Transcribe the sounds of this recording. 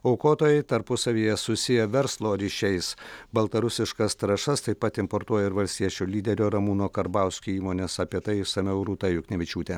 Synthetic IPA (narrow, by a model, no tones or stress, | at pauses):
ɐʊkoːt̪oːjɛɪt̪ɐɾpʊsɐʋʲiːjɛsʊsʲɪjɛʋʲɛɾslˠoːɾʲiʃʲɛɪsbɐlˠt̪ɐɾʊsʲɪʃkɐst̪ɾɐʃɐst̪ɐɪpɐt̪ɪmpoɾt̪uɔjɛɪɾʋɐlʲsʲt̪ʲiɛt͡ʃʲuːlʲiːd̪ʲɛɾʲoːɾɐmuːnoːkɐɾbɐˑʊsʲkʲuːiːmoːnʲesɐpʲiɛt̪ɐɪsɐmʲɛʊɾuːt̪ɐjʊknʲɛʋʲɪt͡ʃʲuːt̪ʲe